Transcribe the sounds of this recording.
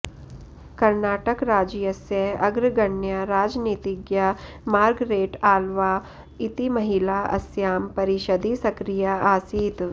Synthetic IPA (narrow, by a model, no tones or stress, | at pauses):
kɐɾnaːʈəkɾaːd͡ʒjɐsjɐɐɡɾɡɐɳjɐɾaːd͡ʒniːt̪iɡja | maːɾɡɾeːʈaːlʋaː | it̪imɐɦilaːɐ̰sjaːmpɐɾiʃəd̪ʱisɐkɾijaʔaːsiːt̪